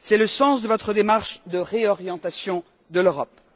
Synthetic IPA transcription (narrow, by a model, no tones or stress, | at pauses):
sɛləsɑ̃sd̪əvɔt̪χəd̪emaʁʃd̪əʁeɔʁjɑ̃t̪asjɔ̃ | d̪əløʁɔp̚